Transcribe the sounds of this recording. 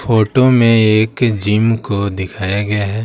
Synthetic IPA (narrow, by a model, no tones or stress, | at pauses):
foːʈomẽeːkd͡ʒiːmkod̪ɪkʰaːjaɡɐjaɦɛː